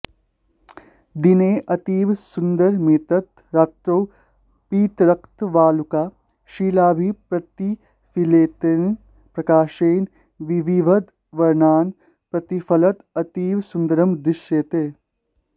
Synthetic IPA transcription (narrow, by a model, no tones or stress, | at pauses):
d̪ineːʔɐt̪iːʋsʊnd̪əɾmeːt̪ɐt̪ | ɾaːt̪ɾoː | piːt̪ɾɐkt̪ʋaːlukaː | ʃiːlaːbʱipɾɐt̪i | fileːt̪en | pɾɐkaːʃeːn | ʋiʋiʋɐd̪ | ʋɐɾnaːn | pɾɐt̪ifʰɐlɐt̪ɐt̪iːʋsʊnd̪əɾɐmd̪ɾɪʃjeːt̪eː